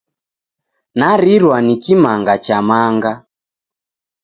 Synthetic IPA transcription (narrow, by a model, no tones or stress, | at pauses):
naɾiɾwanikimaŋɡat͡ʃamaŋɡa